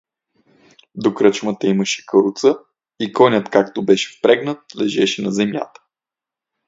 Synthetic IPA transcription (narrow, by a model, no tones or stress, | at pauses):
d̪okɾət͡ʃmət̪əimɐʃɛ̥kəɾut̪sə | ikɔnʲət̪kakt̪obɛʃɛ̥fpɾɛɡnət̪̚lɛʒɛʃɛnɐzɛmʲja̰t̪ə̥